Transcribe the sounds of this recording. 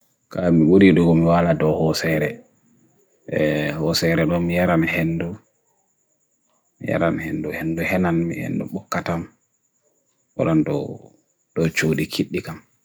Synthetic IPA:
kamiɓuɾiɗuɡɔmiwaladɔhɔsɛɾɛ | hɔsɛɾɛɗɔmijaɾanhenːdu | mija̰ɾa̰nhenduhenduhɛnanmḭhḛndṵɓɔkːatam | wɔ̰ɗɔndɔ | ɗɔt͡ʃoɗikʰiɗːikam

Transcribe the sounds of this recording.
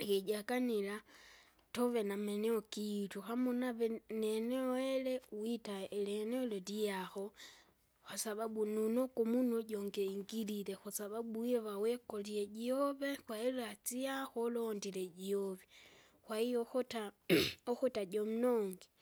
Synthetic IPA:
keɟakanila | toβe̞nameneokituxamonaβeneneoelewitaelenelolijaxo | xasaβaɓununokomunoɟoŋɡeiŋɡililexusaβaɓujeβawekolieɟioβexwailat͡sijaxoloːndileɟioβe | xwaijoxotaoxutaɟomunoːŋɡe

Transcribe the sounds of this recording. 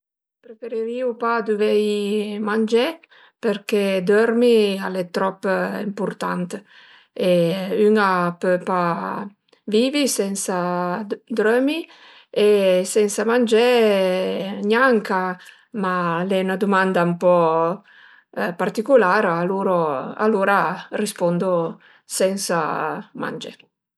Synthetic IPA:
pɾefeɾeɾiupad̪uvɛjmand͡ʒɛ | peɾkɛd̪øɾmialɛt̪ɾɔpːḭmpuɾt̪a̰nt̪ | eyŋapøpa | viːvisɛnsa | d̪ɾømi | esɛnsamand͡ʒɛ | ɲjaŋka | malɛynad̪umand̪aumpɔ | part̪ikulaːɾaluɾoa̰luɾarispɔnd̪o | sɛnsama̰nd͡ʒɛ̰

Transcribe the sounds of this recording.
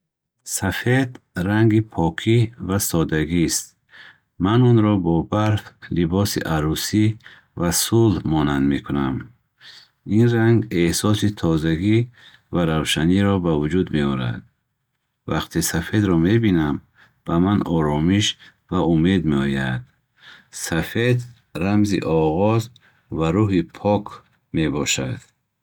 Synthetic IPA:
safe̞d̪ | ɾaŋɡipʰɔkʰivasɔd̪aɡist̪̚ | manunɾɔbɔbaɾflibɔsḭʔaɾusi | vasulhmɔnand̪mekʰunam | inraŋɡehsɔsit̪ʰɔzaɡi | vaɾavʃaniɾɔbavud͡ʒud̪meɔɾa̰d̪̥ | va̰qt̪ʰesafe̞d̪ɾɔme̞binam | b̥amanɔɾɔmiʃ | vaume̞d̪meɔjad̪̥ | safe̞d̪ | ramzḭʔɔʁɔz | vaɾuɦipʰɔkʰ | me̞bɔʃa̰d̪̥

